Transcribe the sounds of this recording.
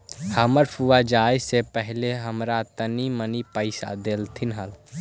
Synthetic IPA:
həməɾpʰuad͡ʒaesepəɦleɦəmɾat̪ənimənipəɪsa̰d̪elt̪ʰinɦəl

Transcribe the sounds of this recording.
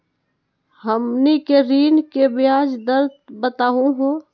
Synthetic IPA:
həmnikeɾiːnkebɪjaːd͡ʒd̪əɾd̪bət̪aːɦũɦoː

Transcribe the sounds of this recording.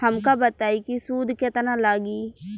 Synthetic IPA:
hɐmkabət̪aːikisuːd̪ʱkɪt̪nãlaːɡiː

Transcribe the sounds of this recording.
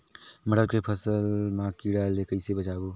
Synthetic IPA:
mɐɽəlkɾepʰəsəlmãːkiːɽalekəisebət͡ʃaːboː

